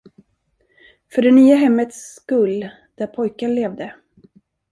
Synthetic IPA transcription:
fœɖɛnyːaɦɛmːət̪skɵl | d̪̥æɾpʰɔjkanleːvd̪ə

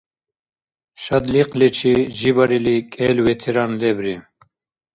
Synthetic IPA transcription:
ʃad̪liqʼlɛt͡ʃʰiʒibaɾilikʼɛːlwɛt̪ʰɛɾanlɛbɾi

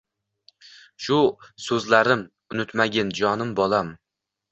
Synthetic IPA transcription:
ʃʊsɵzlaɾɪm | ʊnʊt̪maɡʲɪnd͡ʒɒnɪmbɒlˠam

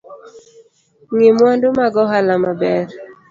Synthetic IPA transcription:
ŋemwandomaɡɔɦalamabɛɾ

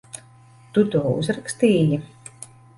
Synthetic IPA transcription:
t̪ut̪ɔːṵzɾakst̪iːji

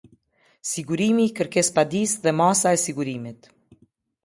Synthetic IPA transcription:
siɡuɾimikəɾkɛspad̪isðɛmasaɛsiɡuɾimit̪

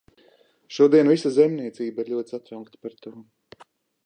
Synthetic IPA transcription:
ʃuɔd̪iɛnvisazɛmniɛt̪siːbaiɾʎʲuɔt̪ʲsat̪ɾawkt̪ḁpaɾt̪uːɔ

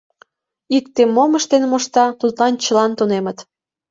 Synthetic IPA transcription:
ik̚t̪emːoməʃt̪enmoʃt̪ɑt̪ut̪lɑnt͡ɕəlɑnt̪unemət̪

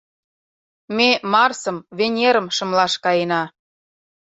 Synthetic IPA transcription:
memɑrsɤ̆mβenʲeɾə̆mʃɤ̆mlɑʃkɑjenɑ

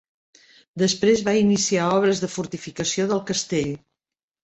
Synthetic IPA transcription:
d̪əspɾezβainisiaɔβ̞ɾəzðəfuɾt̪ifikəsioðəlˠkəst̪eʎ

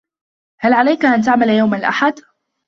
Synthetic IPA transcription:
halʕalajkaʔant̪aʕmaljawmanɪlʔa̰ħad̪

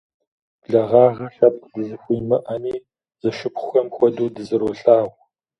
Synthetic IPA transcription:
ɮɐʁɑːʁɐɬaːp̚dɨzɨxʷujmɨʔɐmiː | z̥ɐʃɨpʰχʷʊxɐmxʷɔduːdɨzɨɾoːɬaːw

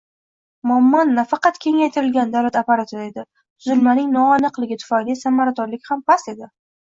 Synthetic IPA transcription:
mʊamːɒnːafɑqɑt̪kʲʰe̞ŋajt̪ʰɪɾɪlɡʲand̪awlat̪apaɾat̪ʰoed̪ɪ | t̪ʰʊzɪlmanɪŋnɒːnɨqlˠɪɡʲɪt̪ʰʊ̥fajlisamaɾat̪ɒnlɪkʲhampʰase̞d̪ɪ

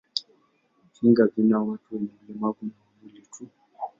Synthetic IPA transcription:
kiŋɡavinawatʰuamɛlɛmakunamilitʰu

